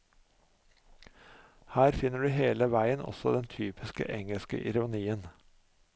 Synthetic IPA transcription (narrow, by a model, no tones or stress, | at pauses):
hæːɾfɪnəɖʉːheːləʋæɪənɔ̰sɔd̪ɛnt̪ʰyːpɪskə̰ʔɛŋəlskə̰ʔɪɾʊniːən